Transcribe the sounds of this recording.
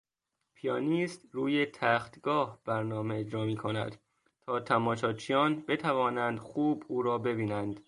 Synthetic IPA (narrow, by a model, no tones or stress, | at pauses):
pʰijɒːniːst̪ɾuːje̞t̪ʰæːxt̪ɡ̥ɒːhb̥æɾnɒːme̞ed͡ʒɾɒːmiːkʰo̞næ̰d̪̥ | t̪ʰɒːt̪ʰæmɒːʃɒːt͡ʃʰijɒːnbe̞t̪ʰævɒːnænd̪xuːbuːɾɒːbe̞biːnænd̪̥